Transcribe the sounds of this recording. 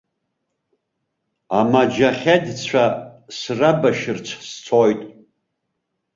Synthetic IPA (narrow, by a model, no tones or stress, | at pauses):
amad͡ʒaχʲadt͡sʷʰasrabaʃɪrt͡sʷʰst͡sʰojtʼ